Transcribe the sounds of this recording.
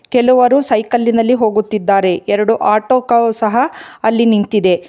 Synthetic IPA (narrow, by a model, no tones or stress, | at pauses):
kɛluʋɐɾusɐjkɐlːinɐlːiɦo̞ːɡut̪ːid̪ːaːɾe̞ɛɾɐɽuʔaːʈoːkɐsɐɦɐɐlːinint̪id̪e̞